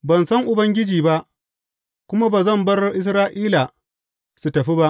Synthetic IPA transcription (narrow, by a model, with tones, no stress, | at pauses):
bɐ˨nsɐ˦ŋʔʊ˨bɐ˦ŋɡʲɪ˦d͡ʒiː˨ba˦ʔ | kʷʊ˦ma˦baː˨zɐ˦˨mbɐ˦rʔɪ˦s̬ɾaː˦ʔiː˦la˨ | su˨tɐ˨ɸi˦ba˦ʔ